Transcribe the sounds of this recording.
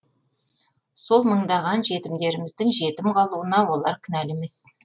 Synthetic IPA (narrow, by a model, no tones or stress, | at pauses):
so̞lˠməɴd̪ɑʁɑnʒe̞t̪ɪmd̪e̞ɾɪmɪzd̪ɪŋʒe̞t̪ɪmqʰɑlˠuənɑwo̞lˠɑɾkʲʰʏnæleme̞s